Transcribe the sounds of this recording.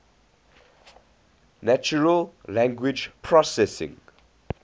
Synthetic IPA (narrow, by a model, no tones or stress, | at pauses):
nat͡ʃuɹəllãŋɡwid͡ʒpʰɹɔsɛsɪ̰̃ŋ